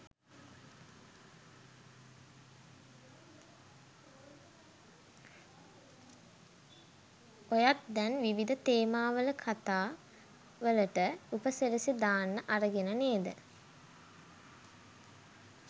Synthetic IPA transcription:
ojat̪̚d̪ɛnʋiʋid̪ət̪eːmaːʋələkʰat̪aː | ʋələʈəupəsəɾisid̪aːnːəʔaɾəɡenəneːd̪ə̰

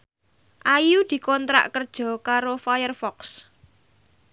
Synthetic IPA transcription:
ʔajud̪̥i̤kɔnt̪ɾa̰ʔkərd̥ʒ̥ɔ̤kaɾofajərfɔks

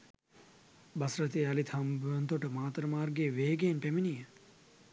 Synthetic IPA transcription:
bɐsɾɐt̪eɐlit̪ʰɦɐmbuʋɐnt̪oʈəmaːt̪ɾəmaːrɡeːʋeːɡenpeminijə

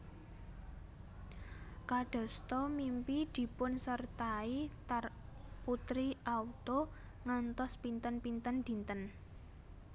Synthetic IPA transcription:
kaɖ̥ɔ̤st̪ɔmimpid̪̥i̤pʊnsərt̪ait̪ar | put̪ɾiʔaut̪o | ŋant̪ɔspint̪ənpint̪ənd̪̥i̤nt̪ən

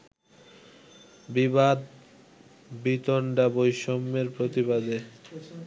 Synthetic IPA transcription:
bibad̪ | bit̪oɳɖabojʃomːeɾpɾot̪ibad̪e

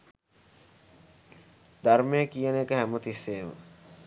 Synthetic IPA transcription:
d̪armejːkijənekəɦæmət̪isːeːmə̰

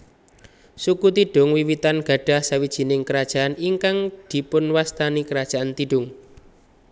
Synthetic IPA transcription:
sukut̪iɖ̥ʊ̤ŋwiwit̪anɡ̥a̤ɖ̥a̤hsawid̥ʒ̥i̤nɪŋkəɾad̥ʒ̥a̤ʔaniŋkaŋd̪̥i̤pʊnwast̪anikəɾad̥ʒ̥a̤ʔant̪iɖ̥ʊ̤ŋ

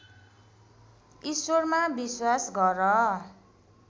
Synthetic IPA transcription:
isormabiswasɡʌɾʌ

